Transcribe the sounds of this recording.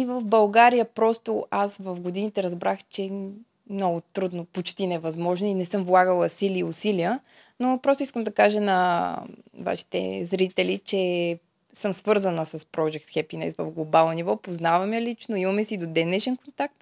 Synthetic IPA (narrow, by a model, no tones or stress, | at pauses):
ivəfbɐlˠɡaɾijəpɾɔst̪ʊasvɐfɡod̪init̪ɛɾɐzbɾaxt͡ʃɛ | mnɔɡʊt̪ɾud̪nopot͡ʃt̪inɛvɐzmɔʒnoinɛsɤmvlˠaɡəlˠəsiliʊsilijənopɾɔst̪ʊiskəmd̪ɐkaʒənɐ | va̰ʃi̥t̪ɛ̰zɾit̪ɛlit͡ʃɛ | sɤmsvɤɾzənəsɐspɾɔd͡ʒɛk̚t̪xɛpinɛ̰svɐ̰fɡlˠobalˠnonivɔpoznavɐmjəlit͡ʃnʊimɐmɛsiːd̪od̪ɛnɛʃɛnkont̪ak̚t̪